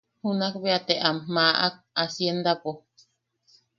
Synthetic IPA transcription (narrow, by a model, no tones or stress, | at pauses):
hunakbeat̪eʔammaʔa̰k̚asjend̪apo